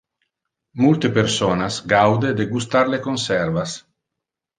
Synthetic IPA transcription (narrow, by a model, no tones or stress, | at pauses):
mult̪epeɾsonasɡawd̪ed̪eɡust̪aɾlekonsɛɾvas